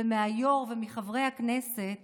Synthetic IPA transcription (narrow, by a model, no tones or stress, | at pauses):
emeajo̞ʁvemiχavʁejakneset̪